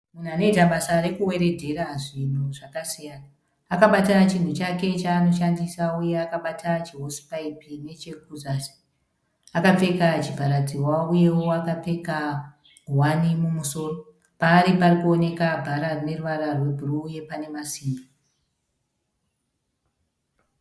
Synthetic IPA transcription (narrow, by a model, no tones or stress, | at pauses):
mun̤uane̞itaɓasaɾekuwe̞ɾe̞dʱe̞ɾaʐin̤uʐakasijanaː | kaɓatat͡ʃin̤ut͡ʃake̞t͡ʃaːno̞ʃandisauje̞akaɓatʰat͡ʃiɦo̞si̥paipine̞t͡ʃeɡuzasi̥ː | kap͡fe̞kat͡ʃipaɾad͡ziwauje̞wo̞akap͡fe̞ka | wanimumuso̞ːro̞ | paːɾiparikuo̞ne̞kabʱaɾarine̞ruʋaɾarwe̞bʱuruje̞pane̞masiːmba